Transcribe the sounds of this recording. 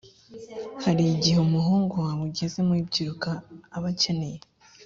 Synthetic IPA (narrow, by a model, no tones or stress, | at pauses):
haɾiɟiheumuɦuːŋɡowaβuɟeze̞mibɟiɾukaːβace̞ne̞je